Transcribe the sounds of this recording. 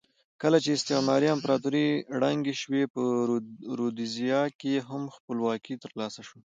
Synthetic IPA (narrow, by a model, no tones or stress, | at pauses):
kəlat͡ʃeɪst̪ɪqmɑɾiampɾɑt̪uɾiɽaŋɡeʃwepəɾod̪izijɑkeɦamxpəlwɑkit̪əɾlɑsaʃo